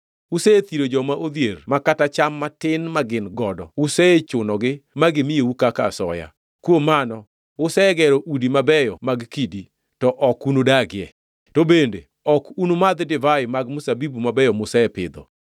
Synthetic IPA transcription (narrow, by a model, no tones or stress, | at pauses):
useet̪iɾod͡ʒɔmaʔod̪jermakatat͡ʃamːatɪnmaɡɪnɡɔdɔuseet͡ʃʊnɔɡɪmaɡɪmieukaka̰sɔ̰ja̰ | kwomanɔ | ʊsɛɡɛɾoʔudimabɛjɔmaɡkidi | tɔʔɔkunodaɡɪɛ | tobende | ɔkunomad̪dɪvajmaɡmusabibumabɛjɔmʊsɛɛpɪ̰d̪ɔ̰